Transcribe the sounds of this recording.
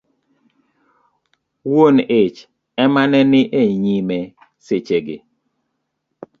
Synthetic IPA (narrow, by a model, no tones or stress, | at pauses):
wonet͡ʃ | ɛmanɛnɪʔeɲimɛ | set͡ʃeɡɪ̰